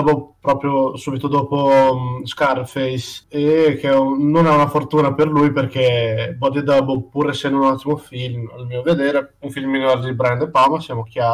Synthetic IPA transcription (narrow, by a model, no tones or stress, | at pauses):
bopɾɔːpɾjosuːbit̪od̪ɔːposkarfejsekʰeɛnonaunafort̪uːnaperlujperkebɔd̪id̪abopuːɾesɛnd̪unat̪ːimofilmalmiːoved̪eːɾeuɱfilminɔɾd̪ibɾɛnd̪epamasjaːmok̟jaː